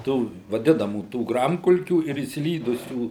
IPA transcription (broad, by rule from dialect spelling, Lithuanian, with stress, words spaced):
ˈtuː ʋɐˈdʲɪnɐmuː ˈtuː ˈɡrɐmkʊlʲkʲuː ɪr ɪʃʲsʲɪˈlʲiːdʊsʲuː